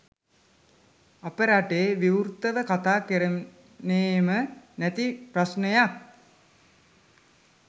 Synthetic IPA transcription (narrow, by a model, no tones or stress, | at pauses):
apəɾaʈeːʋiurt̪əʋəkat̪aːkəɾə | neːmənæt̪iprasnejak̚